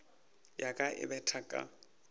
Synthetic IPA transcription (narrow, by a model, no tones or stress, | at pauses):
jakʼaʔɪ̰bɛtʰakʼa̰